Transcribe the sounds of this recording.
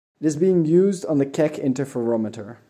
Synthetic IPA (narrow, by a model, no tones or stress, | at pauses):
ɪɾɨzbiɪ̃ŋjʉːzdn̩ðəkʰɛkʰɪ̰̃ntə˞fə˞ɔmətə˞